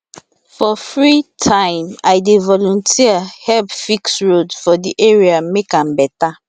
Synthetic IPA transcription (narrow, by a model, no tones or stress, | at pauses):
fɔfɹitʰãɪ̃majdevɔlɔ̃ntʰiahɛlpfiksɹodsfɔdiʔeɹiamekãmbɛta